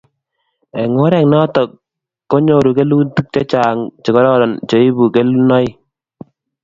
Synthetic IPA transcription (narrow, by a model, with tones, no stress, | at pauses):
ɛ˨ŋo˦ɾɛ˨ŋnɔ˦tɔ˨kː | ɔ˦ɲo˨ɾu˨ke˦lu˦ntu˦k̚t͡ʃɔ˦t͡ʃaː˨ŋt͡ʃɪ˨kɔ˦ɾɔ˦ɾɔ˨nt͡ʃɔ˨i˦bu˨ke˦lu˦nɔ˦j